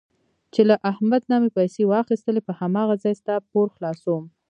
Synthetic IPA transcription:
t͡ʃelaʔahmad̪nɑmepajsewɑxist̪əlepəhamɑɣazɑjst̪ap̚oɾxlɑsowm

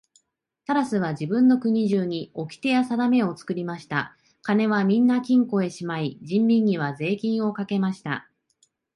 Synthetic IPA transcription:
t̪aɾasɨβ̞ad͡ʑibɯ̟̃nːo̞kɯ̟ɲ̟iʑɨːɲ̟io̞kʲi̥t̪e̞jasad̪ame̞o̞t͡sɨ̥kɯ̟ɾʲimaɕi̥t̪a̰ | kane̞βamʲĩnːakʲĩŋko̞e̞ɕimaid͡ʑĩmbʲĩɲ̟ʲːiβ̞aze̞ːkʲĩɰ̃o̞kake̞maɕi̥t̪a̰

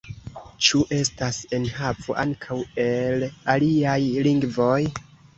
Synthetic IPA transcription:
t͡ʃuʔe̞stase̞nhavo̞̰ʔa̰ŋkʰawe̞laliajliŋɡvo̞j

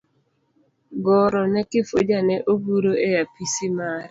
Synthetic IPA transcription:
ɡɔɾɔnɛkɪfod͡ʒanɛʔoɡuɾoejapisimaɾ

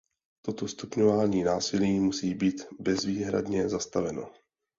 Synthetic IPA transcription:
t̪ot̪o̞st̪upɲovaːɲiːnaːsɪliːmusiːbiːt̪bɛzviːɦɾa̰dɲɛzast̪avɛno̞̰

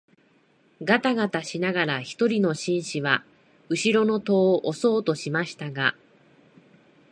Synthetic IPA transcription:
ɡat̪aɡat̪aɕinaɡaɾaçi̥t̪o̞ɾʲino̞ɕĩɰ̃ɕiβa | ɯ̟ɕiɾo̞no̞t̪o̞ːʔoso̞ːt̪o̞ɕimaɕi̥t̪aɡa

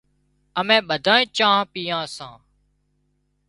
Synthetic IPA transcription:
əmẽːɓəd̪ʱãːĩːt͡ʃãːɦpiːjãːsã̰ː

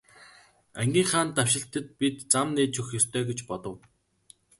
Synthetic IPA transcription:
æŋɡʲiːŋχaːnt̪aw̥ʃɪ̆ɬt̪ə̆t̪̚pit̪t͡samneːt͡ɕʰɵxjɵst̪ʰœːɡet͡ɕpɔt̪ɞ̆w

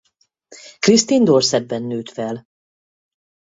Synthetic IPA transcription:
krist̪ind̪orsɛd̪̚bɛnːøːt̪fɛl

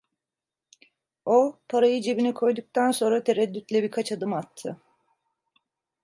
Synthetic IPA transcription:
o̞pʰaɾajɯd͡ʒe̞binikʰo̞jd̪uk̚t̪ʰanso̞nɾat̪ʰe̞ɾɛd̪ːyt̪lʲɛbiɾkʰat͡ʃad̪ɯmat̪ʰːɯ

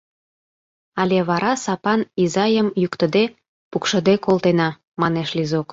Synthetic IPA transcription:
ɑlʲeβɑɾɑsɑpɑnizɑjəmjukt̪ə̆d̪e | pukʃə̆d̪ekolt̪enɑ | mɑneʃlizok

